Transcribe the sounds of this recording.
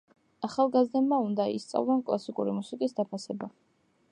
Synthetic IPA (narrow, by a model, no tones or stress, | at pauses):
aχalˠɡazd̪ɛbmaund̪aḭst̪sʼa̰vlˠɔnkʼlˠasikʼuɾimusikʼisd̪apʰasɛba